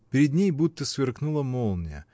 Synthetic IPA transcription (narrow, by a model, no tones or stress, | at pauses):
pʲɪɾʲɪd̪ʲnʲejbut̪ːəsvʲɪrknulˠəmolˠnʲjə̰